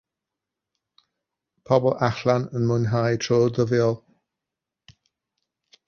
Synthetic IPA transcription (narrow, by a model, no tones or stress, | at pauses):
pʰɔbɔlˠʔaxlanənmʊnɦajtʰɹoːd̪əvɪəlˠ